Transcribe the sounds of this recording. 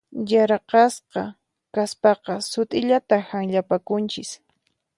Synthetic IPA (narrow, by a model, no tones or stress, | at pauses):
jaɾqɑsqɑ | kaspɑqɑsʊt̪ʼɪʎat̪ahaŋʎapakʊnt͡ʃɪs